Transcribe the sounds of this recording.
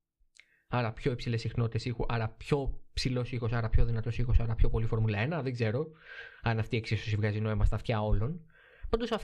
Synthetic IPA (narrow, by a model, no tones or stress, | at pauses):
ɐɾɐpço̞epsile̞sixno̞t̪i̥t̪e̞sixuʔɐɾɐpço̞psilo̞sixo̞sɐɾɐpço̞ðinɐt̪o̞sixo̞sɐɾɐpço̞po̞lifo̞ɾmulɐenɐðeɡze̞ɾo̞ɐnɐft̪ieksisosivɣɐzinoimɐst̪ɐft̪çɐo̞lo̞n | pɐnd̪o̞sɐf